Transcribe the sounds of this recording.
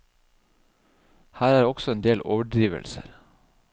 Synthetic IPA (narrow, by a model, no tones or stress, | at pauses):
hæːɾæːɾɔksɔeːnd̪eːlʔoːʋəɖɾiːʋə̰lsə̰ɾ